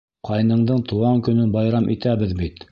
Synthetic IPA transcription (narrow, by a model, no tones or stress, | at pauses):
qʰɑjnɤ̆ɴd̪ɤɴt̪ʰŭɑŋkɵ̆nɵnbɑjɾɑmʔit̪æβɘðbit̪